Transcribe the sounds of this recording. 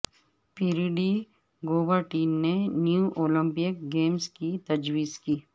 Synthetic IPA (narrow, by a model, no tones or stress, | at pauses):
piɾiɖi | ɡoːbəɾʈiːnnenjũʔoːlə̃mpijəkɡeːmskit̪ɐd͡ʒwiːzkiː